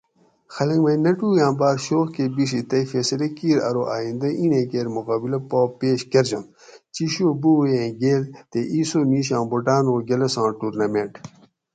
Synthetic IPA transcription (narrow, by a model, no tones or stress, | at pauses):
xɐlɐŋɡmɐjnɐʈuːjãːbaːɾɕoːxkebiʂ̬it̪ɐjfeːsɐlekiːɾɐ̰ɾoʔa̰ːĩnd̪ɐʔiːnẽːkeːɾmukaːbilɐpoːpeːɕɡɐɾd͡ʑɐn | t͡ɕiɕoːbuwjẽːɡeːlt̪eʔiːsoːniːɕãːboʈaːnoːɡelɐsãːʈuːɾnɐmẽɳʈ